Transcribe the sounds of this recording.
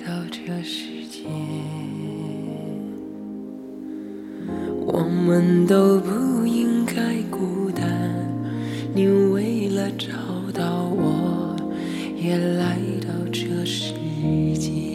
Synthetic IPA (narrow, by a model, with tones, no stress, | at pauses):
t̪ɑ˥˧ʊʈ͡ʂɤ˥˧ʂɻ̩˧˥˧t͡ɕjɛ˧˩ | wʔɔ̰˨˩mə˧nt̪o˥ʊpu˥˧i˥ŋka˥ɪku˧˩t̪a˧˩ | ni˧˥ŋwe˥˩ɪlə˧ʈ͡ʂɑ˨˩ʊt̪ɑ˥˩ʊwɔ˨˩ | jɛ˨˩la˧˥ɪt̪ɑ˥˧ʊʈ͡ʂɤ˥˧ʂɻ̩˥t͡ɕjɛ˧˩